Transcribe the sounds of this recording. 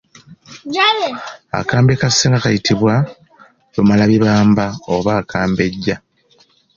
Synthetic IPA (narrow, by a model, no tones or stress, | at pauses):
a̰kaːmbekaseːŋɡakajitʰiβwa | lomalaβiβaːmbaoβaːkʰaːmbe̞ɟːa